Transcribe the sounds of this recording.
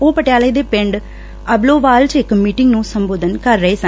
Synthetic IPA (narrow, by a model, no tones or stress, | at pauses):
oːpəʈjaːləːd̪eːpɪ̃ɳɖ | əbloːʋaːlt͡ʃɪkmiːʈɪŋɡnũːsəmboːd̪ənkəɾːəɦeːsə̃